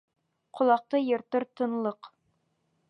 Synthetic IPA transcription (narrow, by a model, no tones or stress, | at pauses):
qŏlˠɑq̚t̪ɤjɤ̆ɾt̪ɤɾt̪ɤ̆nlˠɤq